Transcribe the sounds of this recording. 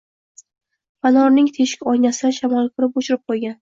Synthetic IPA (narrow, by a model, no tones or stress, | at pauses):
fanɒɾnɪŋt̪ʰeʃɪ̥kʲɒjnasɪd̪aʃamɒlˠkʰʊɾɪpoʃʊɪɾɪp̚qʰojɡʲan